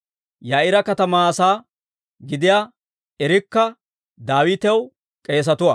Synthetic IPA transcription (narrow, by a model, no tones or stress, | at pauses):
jaːʔɪɾɐkɐt̪ɐmaːsaː | ɡɪd̪ɪjaː | ɛɾɪkːɐ | d̪aːwɪːt̪ɛw | kʼe̞ːs̬ɐt̪ʊwɐ